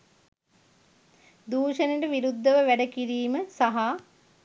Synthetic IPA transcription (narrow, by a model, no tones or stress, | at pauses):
d̪uːʃəneʈəʋiɾud̪ʱːəʋəʋæɖəkiɾiːməsaɦa